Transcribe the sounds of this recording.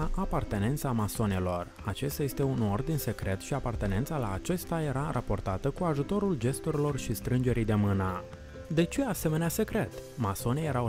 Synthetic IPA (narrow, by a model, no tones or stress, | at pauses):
aʔapart̪e̞ne̞nt̪samaso̞ne̞lo̞r | at͡ʃe̞st̪ajest̪e̞uno̞rd̪inse̞kɾe̞t̪ʃiapart̪e̞ne̞nt̪salaːt͡ʃe̞st̪aje̞ɾarʔapo̞rt̪at̪əkuaʒut̪o̞ɾuld͡ʒe̞st̪uɾilo̞rʃist̪ɾɨnd͡ʒe̞ɾijd̪e̞mɨnə | d̪e̞t͡ʃe̞ase̞me̞nease̞kɾe̞t̪maso̞neje̞ɾa